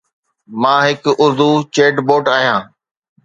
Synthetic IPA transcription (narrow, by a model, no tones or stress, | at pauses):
mãːɦɪkʊɾd̪uːt͡ʃeːʈboːʈaːɦijãː